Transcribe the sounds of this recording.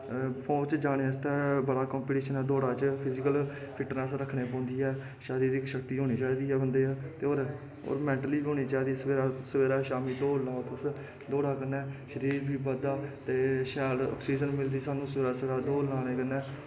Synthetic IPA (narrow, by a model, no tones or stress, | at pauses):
pʰõːt͡ʃd͡ʒaːɽ̃eːəst̪ɛːbəɽaːkɔ̃ːmpiːʈiːʃənɛːd̪oːɽaːt͡ʃpʰɪzɪkəl | pʰɪʈɾɛ̃ːsɾəkʰɳeːpɔ̃ːnd̪iːɛː | ʃaːɾiːɾɪkʃəkt̪iːɦoːɽ̃iːt͡ʃaːiːd̪iːɛːbənd̪eːɛːt̪eːoːɾ | o̰ːɾmɛ̃ːɳʈəliːoːñiːt͡ʃaːiːd̪iːɛsʋeːɾaːsəʋeːɾaːʃaːmiːd̪oːlãːt̪ʊs | d̪oːɽaːkənɛːʃəɾiːɾbiːbəd̪aːt̪eːʃɛːɖɔ̰ːksiːd͡ʒənmɪld̪iːsaːnũːsəʋeːɾaːsɾaːd̪oːlãːñeːkənɛː